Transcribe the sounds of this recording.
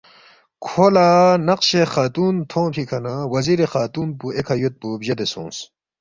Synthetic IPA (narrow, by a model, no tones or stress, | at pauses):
kʰolaːnɐqɕexaːt̪uːnt̪ʰõːpʰikʰɐnawɐziɾexaːt̪uːnpuekʰɐjut̪̚pubʑɐd̪esṵ̃ːns